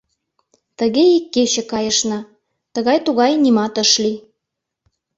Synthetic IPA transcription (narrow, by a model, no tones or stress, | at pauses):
t̪ə̆ɣeikːet͡ɕĕkɑjə̆ʃnɑ | t̪ə̆ɣɑjt̪uɣɑjnimɑt̪ə̆ʃli